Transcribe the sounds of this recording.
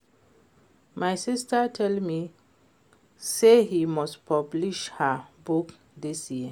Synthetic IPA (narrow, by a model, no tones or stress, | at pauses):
majsistatʰɛlmi | sehimɔstpʰɔbliʃhabuk | disjiə